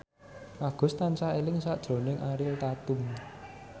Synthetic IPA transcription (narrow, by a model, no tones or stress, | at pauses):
ʔaɡ̥ʊ̤st̪ansaelɪŋsaʔd̥ʒ̥ɾo̤nɪŋʔaɾɪlt̪at̪ʊm